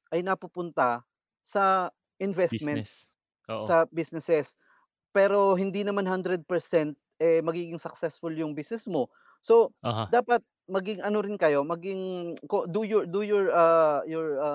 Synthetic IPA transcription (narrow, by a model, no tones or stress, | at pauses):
ʔɐjnɐpupʊnt̪ɐ | sɐ | ʔɪnvɛst̪mɛnsː | ɐbisnɛsɛs | pɛːɾo̞ɦɪnd̪inɐmanɦand̪ɾɛd̪̚pɛɹsɛnt̪̚ʔɛmɐɡiːɡɪŋsɐk̚sɛsfʊljʊŋbisnɛsmo̞ | so̞d̪aːpɐt̪̚ | mɐɡɪŋɐnoɾɪnkɐjo̞mɐɡɪŋkod̪ujʊd̪ujʊɹɐjɔɹɐ